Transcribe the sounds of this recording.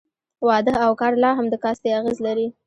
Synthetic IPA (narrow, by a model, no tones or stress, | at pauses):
wɑd̪əawkɑɾlɑɦamd̪əkɑst̪eaɣezlaɾi